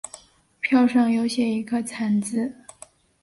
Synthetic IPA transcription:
pʰjɑ˥˧ʊʂɑ˥˩ŋjo˧˥ʊɕjɛ˧˥i˧˥ɡə˧t͡sʰa˨˧˥nt͡sɹ̩˥˩

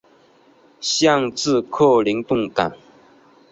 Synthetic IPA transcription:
ɕjɑ˥˧ŋt͡sɹ̩˥˧kʰo˥˩li˧˥ŋt̪ʊ˥˩ŋka˨˩˦n

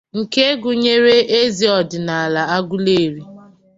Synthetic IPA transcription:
ŋ̩˨ke˦ɡʊ˨ɲe˦ɾe˦ʔe˦zi˨ɔ˨dɪ˨na˨a˨la˨a˦ɡʷʊ˦le˦˨ɾi˦

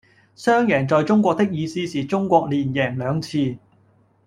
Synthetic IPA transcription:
sœː˥ŋjɛː˨˩ŋt͡sɔː˨jt͡sʊ˥ŋkʷɔː˧k̚t̪ɪ˥k̚jiː˨˧siː˥siː˨t͡sʊ˥ŋkʷɔː˧k̚liː˨˩njɛː˨˩ŋlœː˨˧ŋt͡sʰiː˧

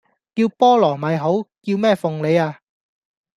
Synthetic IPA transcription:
kiː˧wpɔː˥lɔː˨˩mɐ˨jɦo˨˥wkiː˧wmɛː˥fʊ˨ŋle˨˧jaː˧

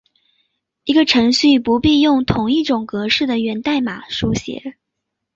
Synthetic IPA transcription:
i˧˥ɡə˧ʈ͡ʂʰɤ˧˥ŋɕy˥˩pu˧˥pi˥˧jʊ˥˩ŋt̪ʰʊ˨˩ŋi˥˩ʈ͡ʂʊ˨˩ŋkɤ˧˥ʂɻ̩˥˩d̪ə˩ɥɛ˧˥nt̪a˥˩ɪma̰˨˩˦ʂu˥ɕjɛ̰˧˥˦

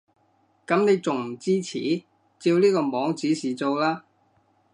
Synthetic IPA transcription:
kɐ˨˥mne˨˧jt͡sʊ˨ŋm̩˨˩t͡siː˥t͡sʰḭː˨˥ | t͡siː˧wliː˥kɔː˧mɔː˨˥ŋt͡siː˨˥siː˨˩t͡so˧wlaː˥

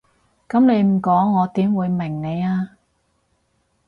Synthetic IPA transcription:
kɐ˨˥mne˨˧jm̩˨˩kɔː˨˥ŋːɔː˨˧t̪iː˨˥mwuː˨˧jmɪ˨˩ŋne˨˧jaː˧

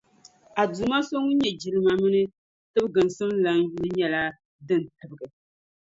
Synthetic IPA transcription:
a˨duː˨ma˦so˦ŋu˦ɲɛ˨d͡ʒi˨lɨ˦ma˨mɨ˦nɨ˦ | tɨ˦bɡɨ˨n˨sɨ˦mla˦ŋ˦ju˦lɨ˦ɲɛ˦la˦ | dɨ˦n˨tɨ˨bɨ˨ɡɨ˨

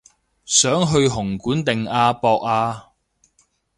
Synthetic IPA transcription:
sœː˨˥ŋɦɵ˧ɥɦʊ˨˩ŋkuː˨˥nt̪ɪ˨ŋaː˧pɔː˧k̚aː˧

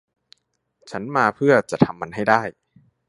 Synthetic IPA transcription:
t͡ɕʰa˦˥nmaː˧pʰɯ˥˩ɐt͡ɕa˨˩t̪ʰa˧mːa˧nɦa˥˩jdaː˥˩j

